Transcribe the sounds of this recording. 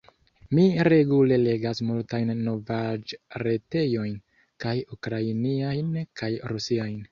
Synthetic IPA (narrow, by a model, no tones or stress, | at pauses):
miɾe̞ɡule̞le̞ɡasmultajnːo̞vad͡ʒɾe̞te̞jo̞jn | kajukɾainiajnkʰajɾusiajn